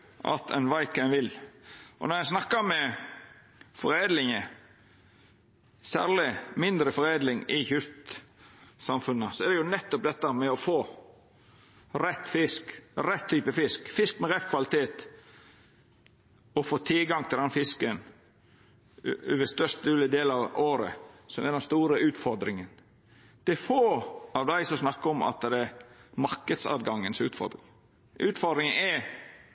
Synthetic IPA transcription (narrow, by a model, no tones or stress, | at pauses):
ʔʔɑ̰t̪ɛ̰nʋɑɪkənʋɪlʔɔ̰nɔɾjæsnɑkːəmɛ | fɔɾeːd̪lɪŋə | sæ̰ːʁlɪmɪnd̪ɾəfɔɾeːd̪lɪŋɪçʏɾt̪ | sɑmfʉnːəsɔɛd̪ɛjʊnɛt̪ːɔp̚d̪ɛt̪ːəmɛɔfoː | ɾɛt̪ːfɪskɾɛt̪ʰːyːpəfɪskfɪskmɛɾɛfkʰʋɑlɪt̪ʰeːt̪ | ɔfoːt̪ʰɪlɡɑŋt̪ʰɪld̪ɛnfɪskən | ʉʋəst̪œst̪̚d̪ʉːləd̪eːlɑʋoːɾə̰sɔmɛd̪ɛnst̪uːɾəʉːt̪fɔɾd̪ɾɪŋən | d̪̥ɛfoːɑʋd̪æɪsɔsnɑkːəɔmɑ̰t̪̚ːd̪ɛmɑɾkəd̪sɑ̰ːd̪ɡɑŋːənsʉ̰ːt̪fɔ̰ɾd̪ɾɪŋ | ʉːt̪fɔd̪ɾɪŋənɛ